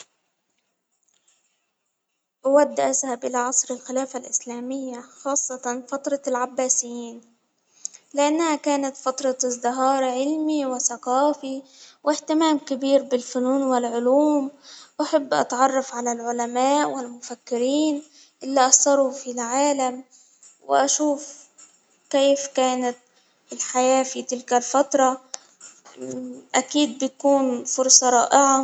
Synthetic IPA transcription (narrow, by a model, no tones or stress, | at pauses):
ʔawad̪ːʔazhabʔɪlaʕɑsˤɾɪlxɪlaːfalʔɪslaːmɪjːaxɑːsˤːɑt̪ɑnfat̪ɾˤɑlʕabːaːsɪjːiːn | lɪʔanːahakaːnat̪fɑt̪ɾˤɑzdɪɦɑːɾˤʕɪlmiwɪθaqɑːfiwɪht̪ɪmaːmkabiːɾbɪlfʊnuːnwɪlʕʊluːmʔaħabːʔɑ̰t̪ʕɑrˤːɑfʕalalʕʊlamaːʔwɪlmʊfakːɪɾiːn | ʔɪlːaʔɑsˤɑɾˤufilʕaːlam | wɪ̰ʔaʃuːf | keːfkaːnat̪̚ | ɪlħajaːfit̪ɪlkalfat̪ɾˤɑ | ʔakiːd̪̚bɪkuːnfʊɾsˤɑɾˤɑːʔɪʕa